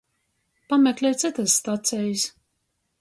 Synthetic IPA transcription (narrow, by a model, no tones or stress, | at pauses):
pamɛklʲɛjt̪sɨt̪asːt̪at̪sɛjs